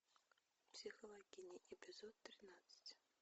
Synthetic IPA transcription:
psʲixɐlˠaɡʲinʲiʔibʲizɔt̪ːɾɨnat̪sɨ̥t͡sʲ

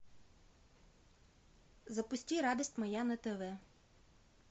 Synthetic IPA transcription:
zɐpʊsʲtʲiɾɑd̪isʲtʲmɐjanɛt̪ɛʋɛ

